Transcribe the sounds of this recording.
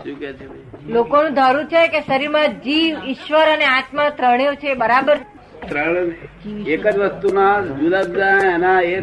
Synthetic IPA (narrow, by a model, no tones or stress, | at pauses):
ʃũkt͡ʃ | lokonũd̪ʱaɾuɾt͡ʃʰekeʃəɾiɾmãd͡ʒiʋɪʃʋəɾəneat̪mãt̪ɾəɳjõt͡ʃʰebəɾabəɾ | t̪ɾəɳ̃ | ekəd͡ʒʋəst̪unad͡ʒulabd͡ʒaɛnae